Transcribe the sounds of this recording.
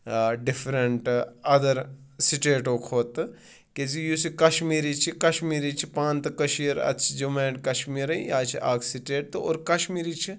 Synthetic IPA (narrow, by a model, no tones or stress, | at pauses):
ɖifʰɾɐɳʈɐd̪ɐɾsiʈeːʈoːkʰoːt̪ɨ | kezijusikɐʃmiːɾit͡ʃʰikɐʃmiːɾiːt͡ʃʰipãːnt̪kɐʃiːɾɐ̰t͡ʃʰid͡ʒumeːʈkɐʃmiːɾɐjaːt͡ʃʰiʔaːkʰsiʈeːʈ̚t̪ɨo̰ːɾkɐʃmiːɾiːt͡ʃʰi